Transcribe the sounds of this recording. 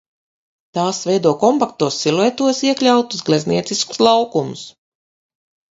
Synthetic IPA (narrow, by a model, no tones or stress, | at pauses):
t̪aːsvɛjd̪uɔkɔmpak̚t̪uɔsːilˠɛt̪uɔsiɛklʲawt̪uzɡlʲɛzniɛt̪sisku̥slˠawkumʊs